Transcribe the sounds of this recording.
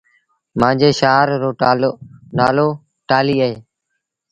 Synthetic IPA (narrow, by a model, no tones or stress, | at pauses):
mãːd͡ʒeːʃaːɾːoːlnaːloː | ʈaːliːəɦeː